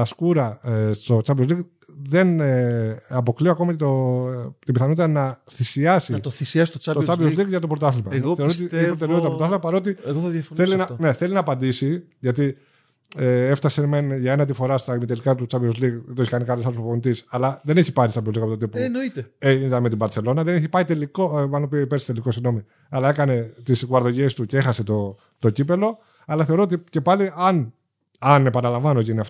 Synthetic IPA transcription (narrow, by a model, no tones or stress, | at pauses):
ɐskuɾɐst̪o̞t͡sɐbiozlik | ðe̞n | ɐpo̞klioɐko̞mɐcet̪ot̪imbiθɐnot̪it̪ɐnɐθisiɐsiɐt̪oθisiɐsi̥t̪oɐtot͡sɐvizlikʝɐt̪opɾo̞t̪ɐθlmɐɣoθeo̞ɾot̪ieçpɾot̪eɾeot̪t̪ɐɾot̪ɐθlmɐpɐɾo̞t̪̬ieɣoɐðjɐfonθelinɐne̞θe̞linɐːpɐnd̪isi | ʝɐt̪i | eeft̪ɐsemenʝɐenɐt̪ifo̞ɾɐst̪ɐmit̪elikɐt̪ut͡sɐvio̞zliɣt̪oeçikɐnikɐlesɐlospponit̪isɐlɐðe̞ne̞çi̥pɐɾitsɐmioliɣɐpot̪ot̪ipunoit̪eeint̪ɐme̞t̪̬ibɐɾt͡se̞lo̞nɐðe̞neçipɐit̪e̞likoɐnopiepeɾsi̥t̪e̞liko̞siɣno̞mi | ɐlɐe̞kɐne̞t̪isɣuɐɾðo̞ʝe̞st̪uceexɐse̞t̪o | t̪o̞cipe̞lo̞ | ɐlɐθeɾoot̪ice̞pɐliɐn | ɐne̞pɐnɐlɐɱvɐnoceiniɐf